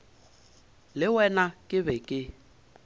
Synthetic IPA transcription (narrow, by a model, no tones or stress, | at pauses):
lɪwɛnakʼɪβɛkʼɪ